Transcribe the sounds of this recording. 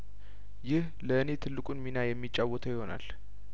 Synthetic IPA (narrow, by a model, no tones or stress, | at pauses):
jɪh | ləɨne̞t̪ʰɨlːɨkʼunminajɛmːit͡ʃʼːawːɔt̪ʰəjɪho̞na̰l